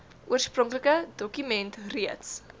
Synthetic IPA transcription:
ʔuərsprɔŋkləkədɔkymɛntriəts

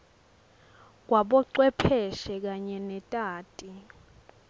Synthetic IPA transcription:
k̬waɓɔǀwɛpʰɛʃɛk̬aɲɛnɛtʼaːtʼi

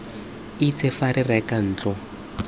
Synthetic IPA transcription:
it͡sʰɛfaɾirɛkan̩ːt͡ɬɔ

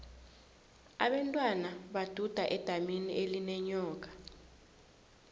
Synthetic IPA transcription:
a̰ɓantʼwanaɓad̥ʱud̥ʱaʔɛd̥ʱaminiʔelinɛɲɔːk̬ʼḁ

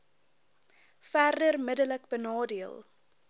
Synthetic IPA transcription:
færdərmədələkbənɑːdiəlˠ

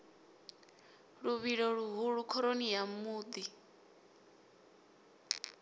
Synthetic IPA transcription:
ɺuβiɺɔɺuɦuɺukʰɔɾonijamuːd̪i

